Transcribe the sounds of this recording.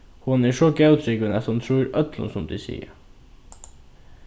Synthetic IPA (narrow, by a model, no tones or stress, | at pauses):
hʊnɛʂɔɡɑʉt̪ʰɾɪɡʋənɛt̪hʊnt̪ʰɾuːɾœt̪lʊ̰nsɔmd̪isḭːə̰